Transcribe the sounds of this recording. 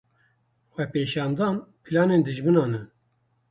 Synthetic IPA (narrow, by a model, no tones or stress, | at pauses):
wɛpeːʃɑːnd̪ɑːnpʰɨlɑːneːnd̪ɨʒbɨnɑːnɨ